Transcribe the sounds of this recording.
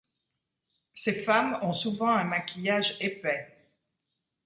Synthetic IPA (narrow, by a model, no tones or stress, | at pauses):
sefamɔ̃suvɑ̃ɛ̃makʲijaʒepɛ